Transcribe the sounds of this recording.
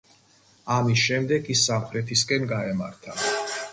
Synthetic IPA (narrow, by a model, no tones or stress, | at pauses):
amisʃɛmd̪ɛɡisːamχɾɛt̪ʰiskʼɛnɡaɛmaɾt̪ʰa